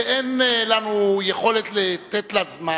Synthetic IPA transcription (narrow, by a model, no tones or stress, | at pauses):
ʔenlanujeχo̞let̪let̪et̪lazma